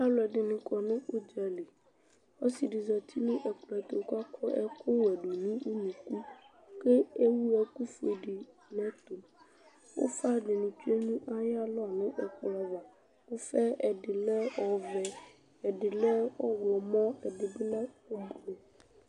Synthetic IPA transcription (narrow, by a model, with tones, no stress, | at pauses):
a˦lɔ˨ɛ˨ɖɪ˨nʊ̃˨kɔ˨nʊ̃˦ʔo˦d͡ʒa˨le˨ | o˦si˨ɖɪ˨zɔ˨t̪ʰi˦nʊ̃˦ʔɛ˨klɔ˨ɛ˨t̪o˨ka˦kɔ˦ʔɛ̰˦ko˦wɛ˨ɖu˨nĩ˦wo˦nũ˨ku˦ | ke˦e˦wu˦ɛ˨ku˦fe˨ɖɪ˨ | nɛ̃˦t̪o˨ | wo̰˦fa˦˨ɖɪ˨nʊ̃˨t͡ʃu˦e˦nũ˦ʔa˦ja˦lɔ˦˨nʊ̃˦ʔɛ˨kla˨va˨ | wo˦fɛ˦ɛ˨ɖɪ˨lɛ˦ɔ˨vɛ˨ | ɛ˨ɖɪ˨lɛ˦ɔ˦wlɔ˨mɔ̃˦ɛ˨ɖɪ˨be˦lã˦wo˦bo˨